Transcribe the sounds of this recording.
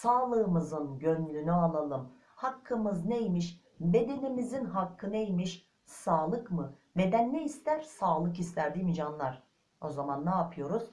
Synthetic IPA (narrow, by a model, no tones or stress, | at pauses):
saːlˠɯːmɯzɯnɟønlʲynyalˠalˠɯm | hakʰːɯmɯznejmiʃ | be̞d̪e̞nimizinɦakʰːɯnejmiʃ | saːlˠɯkmɯbe̞d̪ænːeist̪æɾ̥saːlˠɯkist̪ʰæɾd̪imid͡ʒanlˠaɾ̥ | o̞zamanːaːpʰɯjo̞ɾuz̥